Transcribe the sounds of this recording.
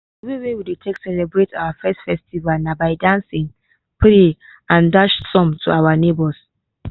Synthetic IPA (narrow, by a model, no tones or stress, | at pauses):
ɛvɹiwewidetʰeksɛlɛbɹetʰawafɛstfɛstivalnabaɪdãnsĩŋ | pʰɹe | ãndaʃsɔ̃mtʰuawanebɔs